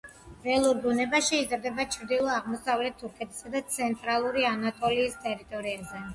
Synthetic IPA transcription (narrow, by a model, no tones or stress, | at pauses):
vɛlˠuɾɡunɛbaʃiːzɾd̪ɛbat͡ʃʰɾd̪ilˠɔaʁmɔsavlɛt̪̚ʰːuɾkʰɛt̪ʰʼi̥sad̪at̪sʰɛnt̪ʼɾalˠuɾianat̪ʼɔliːst̪ʼɛɾit̪ʼɔɾiazɛ